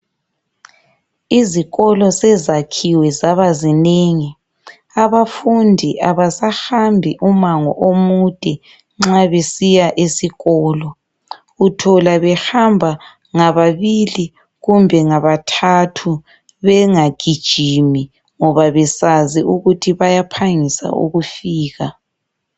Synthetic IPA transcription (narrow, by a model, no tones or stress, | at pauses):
iziɣɔlɔsɛzakʰiwɛzaβazineːŋi | aβafundʱiʔaβasaxambʱiʔumaŋɔ̰ʔomud̥ʱɛ | ŋ͡ǁaβesijaʔesiɣɔːlɔ | utʰɔlaβɛhambʱa | ŋaβaβili | ɣumbʱɛŋaβatʰatʰu | βɛŋaɡ̥ʱid̥ʒ̥ʱimi | ŋɔβaβɛsaziʔuɣutʰiβajapʰaŋisa̰ʔṵɣufiːɣa